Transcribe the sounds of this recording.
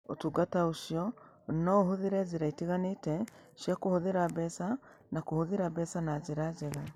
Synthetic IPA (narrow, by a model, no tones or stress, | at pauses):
o̰tuːɡataoʃiɔ | nɔoɦoðeɾɛzeɾaiteɣanetɛʃjakohoðeɾabɛsa | nakohoðeɾabɛsanazeɾazɛɣa